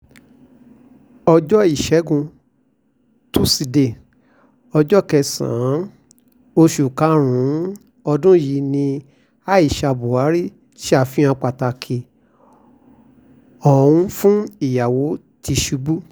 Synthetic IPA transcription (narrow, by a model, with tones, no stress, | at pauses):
ɔ˧d͡ʒɔ˦i˦˨ʃɛ˨˦ɡũ˧ | tu˦si˧de˨ | ɔ˧d͡ʒɔ˦kɛ˧sã̰˨˦ | o˧ʃu˨ka˨˦ɾ̃ũ˨˦ | ɔ˧dũ˦ji˨˧nĩ˧ | a˦i˦˨ʃa˧bu˨a˨˦ɾi˦ | ʃi˦a˦˨fĩ˦ã˧k͡pa˨ta˧kʰe˧˨ | ɔ˨ũ˦fũ˦i˨ja˨wo˨˦ | ti˧ʃu˨˧˦bu˦